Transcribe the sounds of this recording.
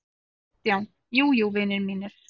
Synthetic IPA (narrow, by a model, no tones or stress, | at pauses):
t̪jawn | juːjuwvɪnɪɾmiːnɪɾ̥